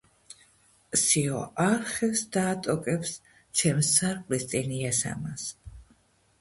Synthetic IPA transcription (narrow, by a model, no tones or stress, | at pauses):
siɔ̰ʔaɾχɛfsd̪aːt̪ʼɔkʼɛps | t͡ʃʰɛmsaɾχʼlist̪ʼiniasa̰mas